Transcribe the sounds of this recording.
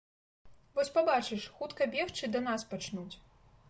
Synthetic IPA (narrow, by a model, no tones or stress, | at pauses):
vɔsʲpabat͡ʂɨʂxut̪kɐbʲɛxt͡ʂɨd̪ɐn̪aspat͡ʂnut͡sʲ